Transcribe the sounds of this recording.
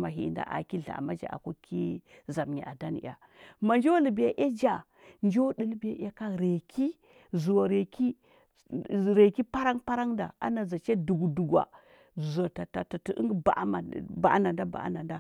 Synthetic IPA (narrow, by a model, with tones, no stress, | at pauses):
ma˨ɦi˨nda̰˦ʔa̰˨ki˦ɮa̰˨ma˦d͡ʒa̰˨a̰˨ku˦ki˦za˨mɲḭ˨ʔa˨da˦n˨a̰˨ | ma˨nd͡ʒo˦li˨bi˨ja˨ʔa˦d͡ʒa˦˨ | nd͡ʒo˦di˦lbi˦ja˦ʔa˦ka˦ɾe˨kʰi˦ | zu˨wa˨ɾe˨ki˦ | ɾe˨ki˦pa˦ɾa˦ŋpa˦ɾa˦ŋda̰˨a̰˦na˨za˨t͡ʃe˦du˨ɡu˨du˨ɡʷa̰˨ | za˨ta˨ta˨ta˨ti˨˦ʔə̰˦ŋɡba̰˨ʔma̰˨ba̰˨˦na˨nda˦ba̰˨ʔna˨nda˦